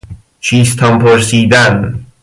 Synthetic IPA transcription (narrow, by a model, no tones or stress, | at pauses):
t͡ʃʰiːst̪ʰɒmpʰoɾsiːd̪æn